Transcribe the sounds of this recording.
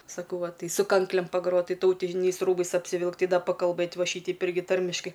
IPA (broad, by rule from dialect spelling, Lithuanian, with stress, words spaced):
sɐˈkɐʊ ˈʋɐ ˈtɐɪ sʊ ˈkɐŋklʲeːm pɐˈɡroːt ˈtɐɪ tɐʊˈtʲɪnʲɛɪs ˈruːbɐɪs ɐpʲsʲɪˈʋʲɪlˠkt ˈtɐɪ ˈdɐ pɐkɐlˠˈbɘt ˈʋɐ ˈʃʲiːtʲɛɪp ˈɪrʲɡʲɪ ˈtɐrʲmʲɪʃkɐɪ